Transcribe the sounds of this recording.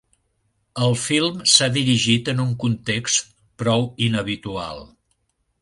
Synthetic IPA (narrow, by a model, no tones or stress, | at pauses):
əlˠfilˠmsaðiɾiʒit̪ənuŋkunt̪ekst̪ | pɾɔwinəβ̞it̪ua̰lˠ